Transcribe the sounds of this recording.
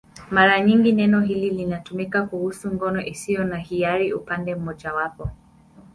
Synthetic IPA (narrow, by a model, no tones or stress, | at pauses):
maɾaɲiŋɡinɛnɔɦililinatumikakuhusuŋɡɔnɔʔisijɔnahiaɾiupandɛm̩mɔʄawapɔ